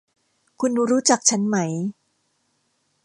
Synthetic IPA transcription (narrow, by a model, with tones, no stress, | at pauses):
kʰu˧nɾuː˦˥t͡ɕa˨˩k̚t͡ɕʰa˦˥nma˦˥j